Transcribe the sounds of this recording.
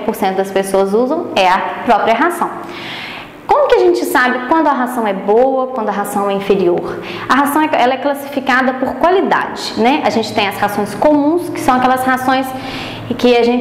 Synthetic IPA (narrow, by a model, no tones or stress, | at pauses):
poɾsẽnt̪ʊd̪ɐspesoɐzuzɐ̃w̃ɛɐpɾɔpɾiɐɦasɐ̃w̃ | kõmʊkɪɐʒẽt͡ʃɪsabɪkwɐ̃nd̪ʊɐɦasɐ̃w̃ɛbowɐkwɐ̃nd̪ʊɐɦasɐ̃w̃ɛĩfeɾioɾ | ɐɦasɐ̃w̃ɛɛlɐɛklasi̥fikad̪ɐpoɾkwalid̪a̰d͡ʒɪnɛʔɐʒẽnt͡ʃɪ̥t̪ẽj̃ɐshasõj̃skomũskɪ̥sɐ̃w̃ɐkɛlɐshasõj̃s | kɪaʒẽ